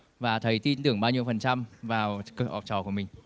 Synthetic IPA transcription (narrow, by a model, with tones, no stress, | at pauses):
vaː˨˩t̪ʰə˨˦jt̪i˧nt̪ɨ˨˧˩əŋɓaː˧wɲi˧əwfə˨˩nt͡ɕa˧mvaː˨˩wkʔɔ̰˨˩p̚t͡ɕɔ˧˩ku˧˩əmï˨˩ŋ̟